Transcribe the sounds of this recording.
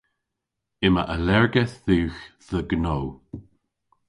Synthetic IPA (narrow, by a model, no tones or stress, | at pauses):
ɪməʔəlɛɹɡɛθðuːxðəɡnow